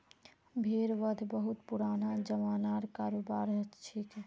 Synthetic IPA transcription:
bʱeɾʋəd̪ʱbəɦut̪puɾanad͡ʒəmaːnaɾkaɾobaɾt͡ʃʰik

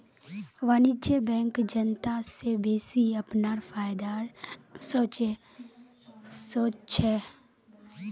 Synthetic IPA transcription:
ʋaːnɪd͡ʒebɛ̃ːŋkd͡ʒənt̪asebeːsiəpnaɾpʰaːjd̪aɾsoːt͡ʃ | soːt͡ʃt͡ʃʰɛ

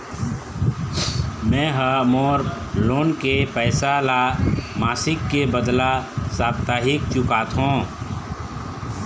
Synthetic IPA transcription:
mɛ̃ːɦəmoːɾ | loːnkepɛːsalamaːsɪkːebəd̪lasaːbt̪aːɦɪkt͡ʃʊkaːt̪ɦõː

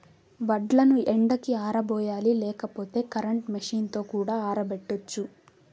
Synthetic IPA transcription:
ʋɐɖlɐnuʔeɳɖɐkiaːɾɐbɔːjaːlilɛːkɐpo̞ːt̪e̞ːkɐɾɐɳʈmɐʂiːnt̪o̞ːkuːɽaːaːɾɐbeʈːot͡ʃːu

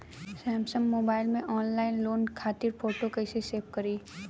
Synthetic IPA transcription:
sɛːmsəmːoːbaːɪlmẽʔɔːnlaːɪnloːnkʰaːt̪ɪɾpoːʈokəɪseseːp̚kɐɾiː

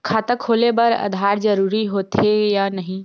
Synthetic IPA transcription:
kʰaːt̪əkʰːoːlebɐɾə̰d̪ʱaːɾd͡ʒəɾuːɾiɦoːt̪ejanəɦĩ

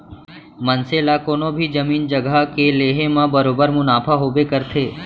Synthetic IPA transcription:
mɐnseːlakoːnõbʱid͡ʒɐmiːnd͡ʒəɡəkeleːɦemãbɐɾoːbəɾmʊnaːfʰaɦoːbekɐɾt̪ʰeː

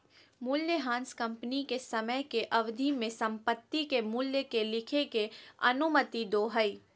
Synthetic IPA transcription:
muːljəɦãːnskɐ̃mpnikesɐməjkeʔɐʋd̪ʱimẽsɐ̃mpət̪ːikemuːljəkelɪkʰekeɐ̰nʊmət̪id̪oːɦəi

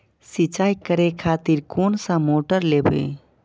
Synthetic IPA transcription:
sit͡ʃajkəɾekʰat̪iɾkonsə̃moʈəɾlebḛ

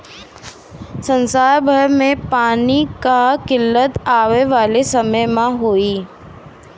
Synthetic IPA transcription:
sə̃nsaːjbʱəɾmẽpaːnikakɪlːət̪aːʋeʋaːlesɐməjmãɦoːiː

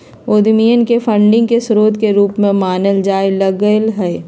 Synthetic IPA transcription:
oːd̪mijənkefʰə̃ɳɖɪ̃ŋɡkesʊɾoːd̪keɾuːpmẽmaːnəld͡ʒaːelɐɡəlɦɛː

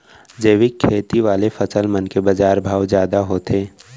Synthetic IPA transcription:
d͡ʒəːʋɪkʰːeːt̪iʋaːlefɐsəlmənkebɐd͡ʒaːɾbʱaːʋzjaːd̪aɦoːt̪ʰeː

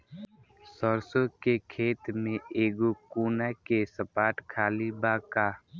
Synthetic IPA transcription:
sɔɾsokekʰeːt̪mẽeːɡokuːnakesəpaːʈkʰaːlibaːkaː

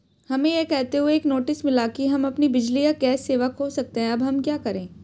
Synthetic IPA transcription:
hɐmẽjekɛɦt̪eɦueːknoːʈɪsmɪlakiɦɐmɐpnibɪd͡ʒlijakɛːsːeːʋəkɦosɐk̚t̪eɦɛ̃ɐbɦɐmkjaːkɐɾẽː

